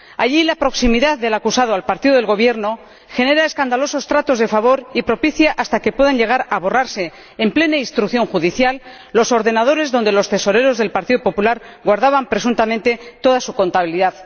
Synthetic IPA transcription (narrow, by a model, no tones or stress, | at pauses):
aʎilapɾo̞ksimiðaððe̞lakusað̞oalpaɾt̪iðoðelɣo̞β̞je̞ɾno̞ | xe̞ne̞ɾae̞skand̪alo̞so̞st̪ɾat̪o̞zðe̞faβo̞ɾipɾo̞piθjaʔast̪ake̞pweðanʎe̞ɣ̞aɾaβo̞raɾse̞ː | mple̞naist̪ɾukθjo̞ŋxuðiθjalː | o̞so̞ɾðe̞nað̞oɾe̞zðo̞nd̪e̞lo̞st̪e̞so̞ɾe̞ɾo̞zðe̞lpaɾt̪iðo̞po̞pulaɾ | ɣwaɾðaβampɾe̞s̬unt̪amẽnt̪e̞t̪o̞ðasuko̞nt̪aβiliðað